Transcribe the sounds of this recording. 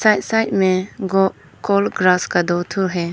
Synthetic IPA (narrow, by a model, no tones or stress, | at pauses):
sajt̚sajt̚meɡɔ | kɔlɡɾaskad̪ɔtʰuɾɦe